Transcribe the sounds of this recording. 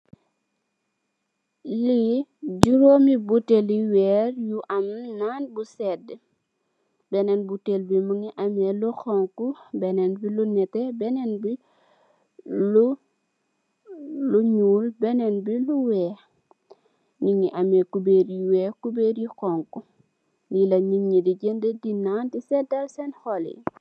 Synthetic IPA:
liɟuɾoːmibuteliwɛːɾjuʔɐmnanbusɛd | bɛnɛnbutelbimuŋiʔamɛluxɔŋkubɛnɛnbilunɛtɛbɛnɛnbi | lu | uɲuːlbɛnɛnbiluwɛː | ɲiŋiʔɐmɛkubeːɾjiwɛkubeːɾjixɔŋku | nilɐɲiŋɲidiɟəndədinːaːntisɛdɐlsɛnxɔlḭ

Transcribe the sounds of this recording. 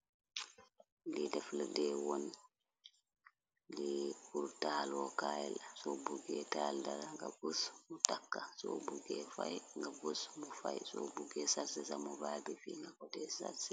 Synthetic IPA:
lidɛfladɛwon | dikuɾtaːlɔkaːjlasɔbuɡɛtaːldaɾaŋɡavusmutakːasɔbuɡɛfajŋɡavusmɔfajsɔbuɡɛsasɛsamɔbaːbifiŋɡakɔtɛsa̰sɛ̥

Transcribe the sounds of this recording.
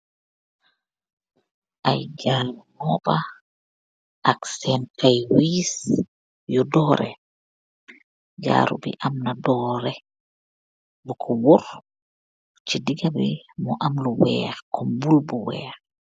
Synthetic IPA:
ʔajd͡ʒalumɔba | ʔaksɛnkajwis | jɔdɔːɾɛ̰ | d͡ʒa̰ɾṵbḭʔamnadɔːɾɛ | bukʰɔwɔɾ | t͡ʃidiɡabimɔʔamluwɛɾkʰɔmbulbuwɛ̰ːɾ

